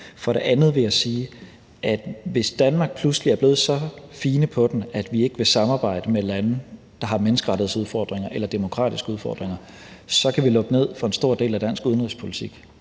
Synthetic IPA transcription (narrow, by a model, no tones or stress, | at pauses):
fɒ̽ɾe̝ʔænð̞̩ˠʋe̝jasiː | ʔæd̥ʋe̝sd̥ænmɑ̈ːɡ̥̚pʰlusliæɐb̥e̝ːð̞̩ˠsɒ̽fiːnəpʰɒ̽d̥n̩æd̥ʋie̝ɡ̥əʋe̝sɑ̈mɑ̈ːb̥ɑ̈ɪ̰d̥əmelæn | d̥ɑ̈ɦɑ̈menəsɡ̥əʁɑ̈ɾ̥ið̩ˠsuð̞ˠfɒ̰ːd̥ʁeŋɐʔelɐd̥e̝mo̝kʰʁɑ̰̈ːd̥isɡ̥əuð̞ˠfɒ̰ːd̥ʁeŋɐ | sɒ̽kʰæʋilɔ̽ɡ̥əne̝ð̞̰ˠfʁɑ̈e̝nsd̥o̝ɐ̰d̥e̝̰ːlæd̥æn̰sɡ̥uð̞ˠənʁispʰo̝lit͡sʰiɡ̥